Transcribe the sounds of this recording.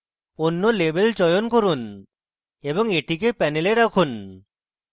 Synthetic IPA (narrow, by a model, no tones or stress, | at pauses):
onːolebelt͡ʃɔjonkoɾun | ebɔŋeʈikepɛneleɾakʰun